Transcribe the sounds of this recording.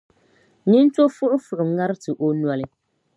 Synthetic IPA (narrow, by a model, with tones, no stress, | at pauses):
ni˦n˦to˦fʊ˦ʔʊ˦fʊ˨ʔʊ˨˦ŋa˦ɾɨ˦tɨ˨ʔo˦nwa˦lɪ˦